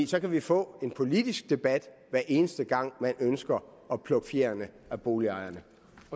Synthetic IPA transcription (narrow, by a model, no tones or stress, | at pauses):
sɒ̽kʰæʋifɔ̰̽ːe̝npʰo̝lid̥isɡ̥̚d̥e̝b̥æd̥ʋæɐ̰ʔe̝ːnəsd̥əɡ̥ɑ̈ŋ̰mænønsɡ̥ɐ | ɒ̽pʰlɔ̽ɡ̥fjḛːɐnə | æb̥o̝ːliɑ̈ɪɐnə